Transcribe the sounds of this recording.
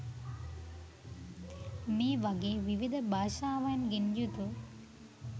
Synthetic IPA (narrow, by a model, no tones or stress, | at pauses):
miːʋɐɡeːʋiʋid̪ʱɐbʱaːʂaːʋaːnɡind͡ʒut̪u